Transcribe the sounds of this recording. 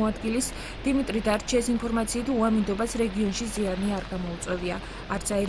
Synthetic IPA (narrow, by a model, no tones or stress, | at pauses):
ad̪ɡilis | d̪̥imit̪ʼɾid̪aɾt͡ʃʰɛsinpʰɔɾmat̪sʰiːt̪ʰuamind̪ɔbasɾɛɡiɔnʃizianiaɾɡamɔut̪sʼwɛviaː | ɾt̪sʰaɛɾ